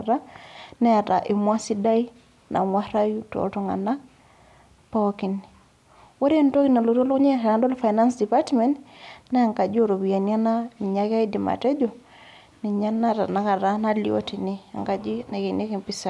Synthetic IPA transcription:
ɾa˦na˦ja˨ta˨ʔi˨mwa˦si˦da˦i˦ | nʔa̰˨mwa˦ɾa˦ju˦to̰˨to˦ŋa̰˨na˦ | poki˨ni | wa˦ɾe˦nto˦ki˦na˨lo˨to˦lo˦ɲɛ˦˨ɾa˨˦ndo˦lfa˨jna˦nsdipatmɛ˨ntna˦a˨ŋka˨d͡ʒi˦o˦˨ɾo˨bi˨a˨na˦na˦˨ɲa˦ka˦i˦di˨ma̰˨tɛ˦d͡ʒo˨ | ni˨ɲa˦na˦ta̰˨na˨˦ka˨ɾa˦na˦lio̰ti˨ni˦a̰˨ŋka˨d͡ʒi˦na˨ke˨ne˦ki˨mpisa˨

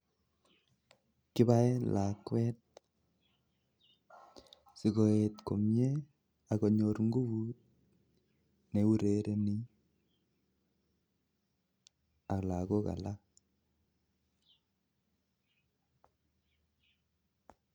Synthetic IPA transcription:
ki˦ba˦e˦lʔa˨kwɛ˦t̚ | si˨ko˨e˨tko˨mje˦ | a˨ko˨ɲo˨ɾŋɡu˦βu˦t̚ | ne˨˦u˦ɾe˦ɾe˦ni˦ | a˨kla˨ko˦ka̰˨la˦

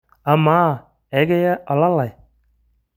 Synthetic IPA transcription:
a˨ma˦ | e˨˦ɡe˦ja˦ʔɔ˨la˦la˨j

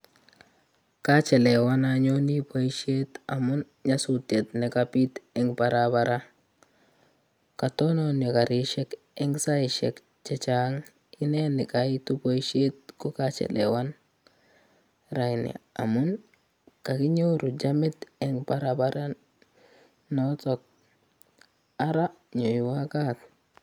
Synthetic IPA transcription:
ka˦t͡ʃɛ˨le˨wa˦na˨ɲo˦ni˦po˨iʃe˦ta˨mu˦n | ɲa˦su˨te˨t̪nɛ˨kapi˦t̪ɛ˨ŋba˨ɾaba˦ɾa˦ | ka˨to˦no˦ne˨ka˨ɾi˨˦ʃe˦k | ɛ˦ŋsa˦i˨ʃɛ̰˨k | t͡ʃɛ˦t͡ʃa˦ŋ | i˦ne˦ni˨ka˨i˦tu˦bo˦i˦ʃe˦t̚ku˦ka˨t͡ʃḛ˨lḛ˨wa˦n | ɾa˨i˨nḭ˨a̰˨mu˦n | ka˨ki˦ɲo˦ɾu˨d͡ʒa˦mi˦t̪ɛ˨ŋpa˦ɾa˨ba˦ɾa˦ | no˦t͡so˨k̚ | a˦ɾa˦ | ɲo˨jwa˦ka˦t

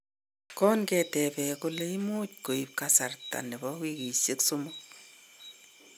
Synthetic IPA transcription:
kɔ˦nkɛtɛ˨pɛ˨kule˦i˦mo˦t̚ko˨i˨p̚kasa˨rta̰˨nɛ˨bɔ˦ki˦ki˨se˦ksumʊk̚

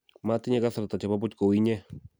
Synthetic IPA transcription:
mat̪i˦ɲa˦ka˦saɾat̪at͡ʃapa˦p̬u˦t̪ko˨wiɲe˦

